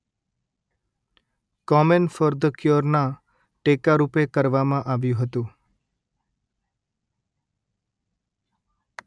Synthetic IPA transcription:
kɔmənfɔɾd̪əkjoɾna | ʈekaɾupekəɾʋamãʔaʋjũɦət̪ũ

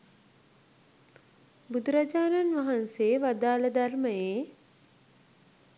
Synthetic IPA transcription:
bud̪uɾad͡ʒaːnanʋaɦanseːʋad̪aːləd̪arməjeː

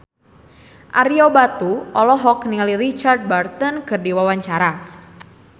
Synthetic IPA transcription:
ʔaɾiobat̪uʔɔlɔɦɔkniŋalirit͡ʃard̚bart̪ənkɨrdiwawaɲt͡ʃaɾa

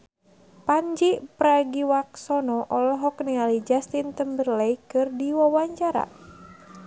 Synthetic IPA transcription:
paɲd͡ʒipɾaɡiwak̚sɔnɔʔɔlɔɦɔk̚nialid͡ʒast̪int̪əmbərlɛjkɨrdiwawaɲt͡ʃaɾa̰

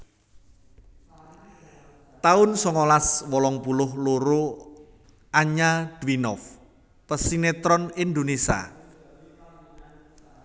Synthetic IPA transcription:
t̪aʊnsɔŋɔlaswɔlɔŋpulʊhloɾo | aɲad̪̥winɔf | pəsinet̪ɾɔnind̪onesa̰

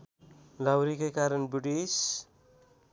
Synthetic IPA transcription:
lawɾikajkaɾʌnbuʈis

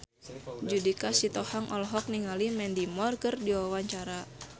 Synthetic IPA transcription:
d͡ʒudikasit̪ɔhaŋʔɔlɦɔk̚niŋalimɛndimɔrkərdiwawaɲt͡ʃaɾa

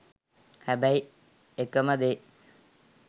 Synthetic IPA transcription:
hæbæi | ekəməd̪e

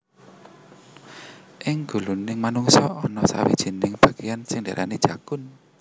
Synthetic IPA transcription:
ʔɪŋɡ̥ṳlunɪŋmanuŋsɔɔnɔsa̰wḭd̥ʒ̥i̤nɪŋb̥ä̤ɡ̥ejansɪŋdaɾʔa̰nid̥ʒ̥a̤kʊn

